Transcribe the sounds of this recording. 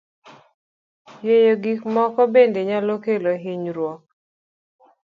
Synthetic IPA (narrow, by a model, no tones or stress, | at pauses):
jejoɡikmɔkɔbendeɲalokeloɦiɲɾwɔk̚